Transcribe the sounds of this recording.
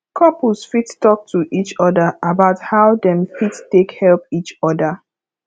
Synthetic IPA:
kʰɔplsfittɔk̚tʰuʔit͡ʃɔdəʔabaʊthaʊdɛ̃mfittekhɛlpit͡ʃɔdə

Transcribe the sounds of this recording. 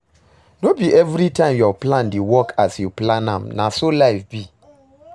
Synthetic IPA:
nobiʔɛvɾitãɪ̃mjɔplãndewɔkʰasjuplãnãmnasolaɪfbi

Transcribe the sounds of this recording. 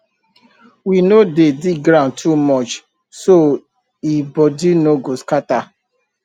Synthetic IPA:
winodediɡɾãʊ̃ntʰumɔt͡ʃ | so | ibɔdinoɡoskata

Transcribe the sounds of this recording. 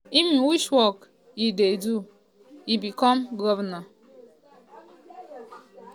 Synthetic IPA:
imiwiʃwɔk | idedu | ibikɔm̩ɡɔvna

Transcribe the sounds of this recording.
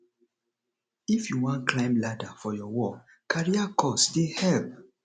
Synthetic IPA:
ifjuwãnkʰlãɪ̃mladafɔjɔwɔ | kʰaɹiakʰɔsdehɛp

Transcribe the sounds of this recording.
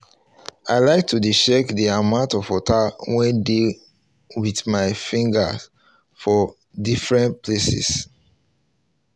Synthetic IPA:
aɪlaɪk̚tʰudiʃɛkdiamãʊ̃ntɔfɔtawɛ̃nde | wiθmaɪfĩŋɡa̰ | fɔ | difɹɛ̃npʰlesḭs

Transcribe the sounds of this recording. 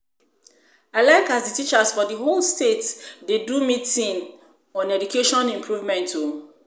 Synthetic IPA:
aɪlaɪkazditit͡ʃasfɔdiɦolstetdedumitĩŋ | ɔ̃nɛd͡ʒukeʃɔ̃nĩmpʰɹuvmɛ̃ntʰo

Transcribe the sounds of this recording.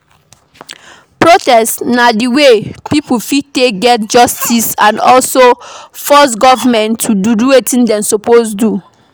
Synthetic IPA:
pɹotɛstnadiwepipufiteɡɛt̚d͡ʒɔstisãnɔlsofɔs̬ɡɔvamɛ̃ntʰːududuwetĩndɛ̃msoposdu

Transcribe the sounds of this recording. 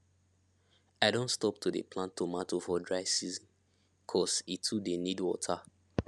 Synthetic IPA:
aɪdõntstɔp̚tʰudḛpʰlãntʰːomatofɔdɹaɪsizɔ̃n | kʰɔsitʰudenidwɔtʰa

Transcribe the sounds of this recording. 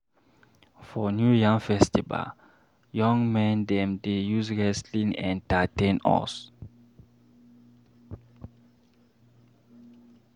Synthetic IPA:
fɔnjujãŋfɛstiva̰l | jɔ̃ŋmɛ̃ndɛ̃mdejuzɹɛslĩŋɛ̰̃ntatẽnɔ̰s

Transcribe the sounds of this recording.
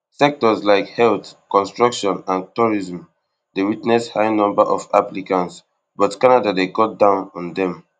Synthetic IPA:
sɛk̚tɔslaɪkhɛltkɔ̃nstɹɔkʃɔ̃nãntuɹiz̃m | dewitnɛshaɪnɔ̃mbaʔɔfa̰plikãnts | bɔtkanadadeɡɔt̚dãʊ̃nɔ̃ndɛ̃m

